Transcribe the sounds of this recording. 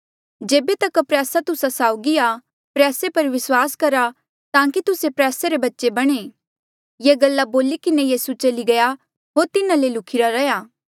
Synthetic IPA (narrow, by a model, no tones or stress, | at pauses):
d͡ʒeːbet̪ɐkpɾɛːsat̪ʊsasaːʊɡia | pɾɛːsepɐɾʋɪswaːskɐɾa | t̪ãːkit̪ʊsepɾɛːseɾebɐtːʃebɐɽ̃eː | jeɡɐlːaboːlikɪnejeːsut͡ʃɐliɡɐja | ɦoːɾt̪ɪnãlelʊkʰɪɾaɾɐjaː